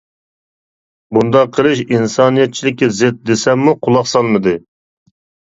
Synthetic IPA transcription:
bund̪ɑqʰːəlˠɨʃinsɑnijɛt̪̚t͡ʃʰilɪkʲːizɪt̪̚d̪esɛmːuqʰʊlˠɑχsɑlˠmɨd̪ɨ

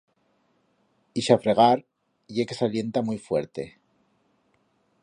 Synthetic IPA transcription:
iʃafɾe̞ɣ̞aɾ | ʝekesalje̞nt̪amujfwe̞̰ɾt̪e̞̰

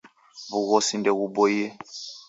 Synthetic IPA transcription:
βuɣɔsindɛɣubɔjɛ

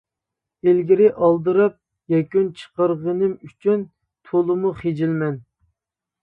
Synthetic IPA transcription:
elɡʲiɾɪʔɑlˠd̪ɨɾɨp̚ | jɛkʲynt͡ʃʰə̥qəɾʁənɨmyt͡ʃʰyn | t̪ʰolˠɨmuχed͡ʒilmɛn

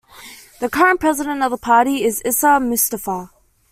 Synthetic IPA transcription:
ðɨkʰʌɹɨ̃npʰɹ̥ɛzɨɾɨ̃ntʌvðəpʰɑɹɾiɪzɪsəmʊstəfə

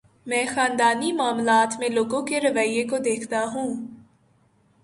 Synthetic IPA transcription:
mɛ̃ːxãːnd̪aːnimaːmlaːt̪mẽloːɡõkeɾɐʋaijːekod̪eːkʰt̪aɦũː

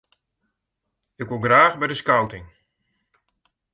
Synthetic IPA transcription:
ɪkʋolˠɡraːxbɛjdəskawtɪŋ

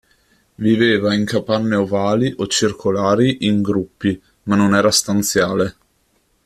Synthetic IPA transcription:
viveːvaiŋkapanːeovaːliʔot͡ʃirkʰolaːɾiʔiŋɡɾupːi | manːonɛːɾast̪ant̪sjaːle

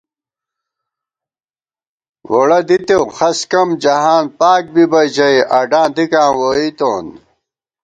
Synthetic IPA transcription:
woɽɐd̪it̪ewxɐskɐmd͡ʑɐɦaːnpaːk̚bibɐd͡ʑɐjʔɐɖãːnd̪ikãːwoit̪oːn

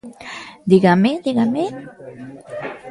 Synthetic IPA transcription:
d̪iɡamed̪iɡame

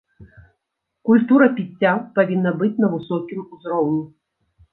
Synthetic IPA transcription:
kulʲt̪uɾɐpʲit͡sʲːapavʲinːɐbɨt͡sʲnɐvɨsɔkʲimuzɾɔwnʲu

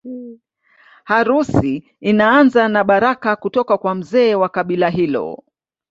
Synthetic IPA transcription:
haɾusi | inaanzanaɓaɾakakutɔkakwam̩zɛːwakaɓilaɦilɔ̰

